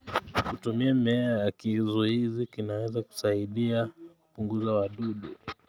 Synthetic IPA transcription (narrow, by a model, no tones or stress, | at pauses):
kutumiamɛajakizuizikinawɛzaku̥saiɗiakupuŋɡuzawaɗuɗu